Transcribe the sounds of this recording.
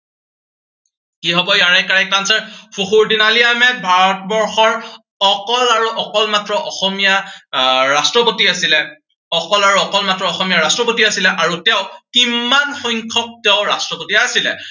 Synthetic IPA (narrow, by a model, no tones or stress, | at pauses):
kiɦɔbɔjaɹɛkaɹakansɛpʰuxuɹdinaliamɛbʱaɹɔt̚bɔɹxɔɹ | ɔkɔlaɹuʔɔkɔlmatɹɔʔɔxɔmija | ɹastɹɔpotiasilɛ | ɔkɔlaɹuɔkɔlmatɹɔɔxɔmijaɹastɹɔpotiasilɛʔaɹutɛʊkimːanxɔjŋkʰɔk̚tɛʊɹa̰stɹɔpotiasilɛ̰